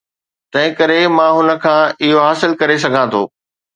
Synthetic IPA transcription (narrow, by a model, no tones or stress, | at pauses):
t̪ɐ̃ɦɪ̃kɐɾemãːɦʊnə̆kʰãːɪɦoɦaːsɪlkɐɾesɐɡʱãt̪ʰo̰ː